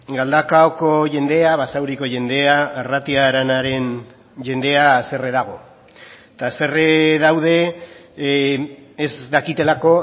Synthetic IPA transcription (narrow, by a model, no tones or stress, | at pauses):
ɡald̪akaoko̞ʝe̞nd̪e̞aβasawɾiko̞ʝe̞nd̪e̞aːrat̪iaɾanaɾe̞n | ʝe̞nd̪e̞aːse̞re̞ðaɣ̞o̞ | t̪ase̞reðawð̞e̞ | zðakit̪e̞lako̞